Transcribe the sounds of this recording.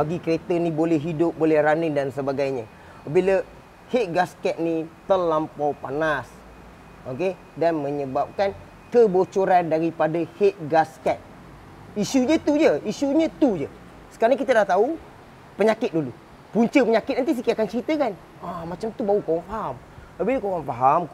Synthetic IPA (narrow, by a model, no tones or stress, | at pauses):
baɡikəɾet̪ənĩbolɛɦidʊp̚bolɛhɾanɪndansəbaɡajɲə̃ | bilə | het̪̚ɡaskɛt̪̚nit̪əlampawpanas | ʔoke | danməɲəbap̚kan | kəbot͡ʃoɾandaɾipadəhet̪̚ɡaskɛt̪̚ | isuɲət̪ud͡ʒəisuɲə̃t̪ud͡ʒə | sə̥kaɾaŋkit̪adaht̪au | pəɲakɪt̪̚dulu | puɲt͡ʃəpəɲakɪt̪̚nanis̬ikiakant͡ʃəɾit̪əkan | amat͡ʃamt̪ubaukowaŋfaɦam | biləkowaŋfaɦam